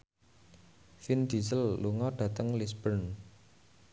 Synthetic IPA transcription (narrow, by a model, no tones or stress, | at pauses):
find̪̥isəlːuŋɔɖ̥ä̤t̪əŋlisbərn